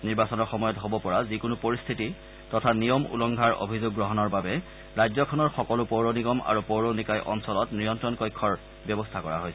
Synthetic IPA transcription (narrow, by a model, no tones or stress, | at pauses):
niɹbasɔnɔɹxɔmɔjɔtɦobɔpɔɹazikʊnupoɹist̪ʰiti | tɔtʰanijɔmṵlɔŋɡʱaɹo̰bʱizʊɡ̚ːɹɔɦɔnɔɹbabɛ | ɹajzɔkʰɔnɔɹxɔkɔlupoɹoniɡɔma̰ɹupowɹonikajʔɔ̰nsɔlɔtnɹijɔntɹɔnkɔjkʰːɔɹ | bjɔbɔstʰakɔɹa̰ɦojsɛ